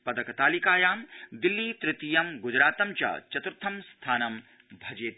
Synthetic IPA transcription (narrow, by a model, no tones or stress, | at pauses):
pɐd̪ɐkɐt̪aːlikaːjaːmd̪ɪlːiːt̪ɾɪt̪ijɐmɡʊd͡ʒɾaːt̪ɐmt͡ʃɐ̰t͡ʃɐt̪ɾɪt̪ʰɐmst̪ʰaːnɐm | bʱɐd͡ʒeːt̪